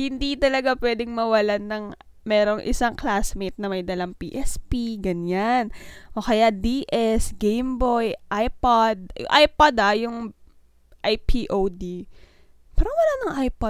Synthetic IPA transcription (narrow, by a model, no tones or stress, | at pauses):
hɪnd̪it̪ɐlɐɡapwɛd̪ɪŋmɐwɐlanɐŋ | mɛːɾo̞ŋʔɪ̰saŋklasmit̪̚nɐmɐjd̪ɐlɐŋpḭːʔɛspiɡɐɲanʔokɐjad̪iʔɛsɡɛjmbojʔajpod̪̚jʊ̰ŋʔajpod̪ajʊŋ | ʔajpʰiʔowd̪i | pɛːɾowɐlanɐŋʔajpod̪̚